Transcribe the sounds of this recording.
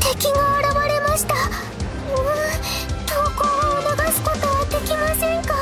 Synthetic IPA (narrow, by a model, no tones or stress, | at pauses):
t̪e̞kʲiŋɡaβaɾaβaɾe̞maɕi̥t̪a | ɯ | t̪okonoɡ̪asɨ̥ko̞t̪ojat̪ːe̞kʲimasẽ̞ŋka